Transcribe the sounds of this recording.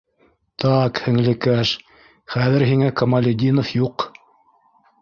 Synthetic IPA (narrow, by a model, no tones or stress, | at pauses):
t̪ɑkhɘ̆ŋlɘ̆kæʃ | χæðɘɾɦiŋækɐmalʲed̪ʲinofjuq